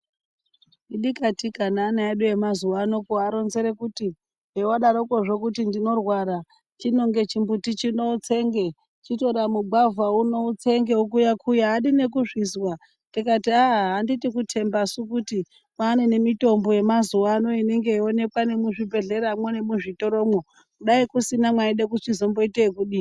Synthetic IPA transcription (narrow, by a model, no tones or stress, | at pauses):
iɗikatikanaːnaeɗuje̞mazuwano̞koaɾo̞nze̞ɾe̞kuti | ɦewaɗaɾokoʐo̞kutindino̞rwaɾa | t͡ʃino̞ŋɡe̞t͡ʃimbutit͡ʃino̞ut͡se̞ːŋɡe̞ | t͡ʃito̞ɾamuɡ͡bʱavwauno̞ut͡se̞ŋɡe̞ukujakʰujaːɗine̞k̬uʐiswa | nikatiaɦɦanditikutʰe̞mbasukuti | mwaːne̞ne̞mito̞mbo̞je̞mazuwaːno̞ineŋɡe̞ione̞kwane̞muʐibe̞ɮeɾamwone̞muʐito̞ɾomwo | kuɗaikusinamwaiɗek̬uʂizo̞mbo̞itekuɗi